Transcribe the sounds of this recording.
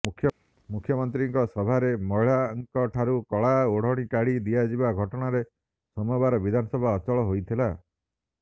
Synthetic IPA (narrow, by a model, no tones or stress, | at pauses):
kʰj | mukʰːjɔmɔnt̪̬ɾiŋkɔsɔbʱaɾemɔɭaːŋkɔʈʰaɾukɔɭaoɽ̤ɔɽ̃ikaɽid̪iad͡ʒibaɡʱɔʈɔɽ̃aɾe | sɔmɔjbaɾɔbid̪ʱanɔsɔbʱaɔt͡ʃɔɭɔɦojt̪ʰila